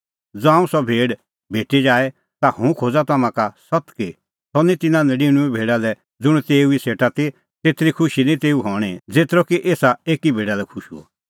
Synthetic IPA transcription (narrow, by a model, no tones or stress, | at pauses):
d͡zoːãːũsɔbʱeːɖ | bʱeːʈid͡ʒaːɛ | t̪ahũkʰod͡zat̪amãkasɔt̪ki | sɔnĩt̪ɪnãnɛɖiɽ̃ũibʱeːɖalɛ | d͡zʊ̃ut̪eːuiseːʈat̪i | t̪eːt̪ɾikʰʊʃinĩt̪eːuɦɔːɽ̃id͡zeːt̪ɾɔkiʔeːsaeːkibʱeːɖalɛkʰʊʃṵɔ̰